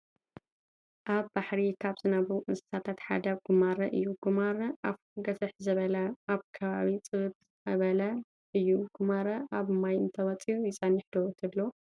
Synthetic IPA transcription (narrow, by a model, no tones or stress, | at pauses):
ʔaβbaħɾikʰaβzɨnɐβuʔɨsɨ̥sʰat̪ʰat̪ħa̰d̪ɐɡumaɾɐʔɨjːuɡ̥umaɾɐʔaf | ɡɐsɨħzɐβɐlɐaβkʰɐβaβit͡sʼɨɣɨtz | ɐβɐlɐ | ʔɨjːuɡ̥umaɾɐʔaβmajɨnt̪ʰɐwɐt͡sʼijujɪt͡sʼɐniħd̪ot̪ʰɨblo